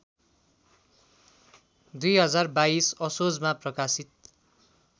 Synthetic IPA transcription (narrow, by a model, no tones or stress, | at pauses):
d̪ujɦʌd͡zarbaisʌsod͡zmaprʌkasit̪̚